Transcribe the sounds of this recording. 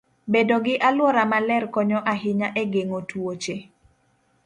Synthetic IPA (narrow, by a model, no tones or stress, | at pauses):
bedoɡɪʔalwɔɾamalɛrkɔɲɔʔaɦɪɲaʔeɡeŋotwot͡ʃe